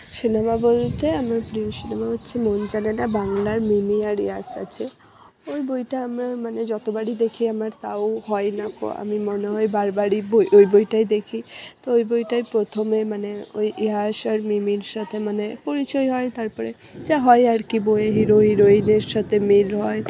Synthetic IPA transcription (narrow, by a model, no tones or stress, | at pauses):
ʃinamabolt̪eamaɾpɾioʃinamaɦot̪ːɕʰemond͡ʑanenabaŋlaɾmimiaɾḭɦasa̰t͡ɕʰe | ojbojʈaamamaned͡ʑɔt̪obaɽid̪ekʰiamaɾt̪a̰ohɔenako̰a̰mimoneɦɔebaɾbaɽibojʔojbojʈajd̪ekʰit̪oojbojʈajpɾot̪ʰomemaneojʔiɦaʃaɾmimiɾʃat̪ʰemanepoɾit͡ɕɔjɦɔet̪aɾpɔɾḛ | d͡ʑaɦɔeaɾkibojeɦiɾoiɾoineɾʃat̪ʰemilɦɔe